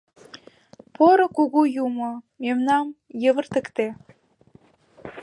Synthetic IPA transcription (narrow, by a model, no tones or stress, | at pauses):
poɾokuɣujumo | memnɑmjə̆βə̆rt̪ə̆kt̪e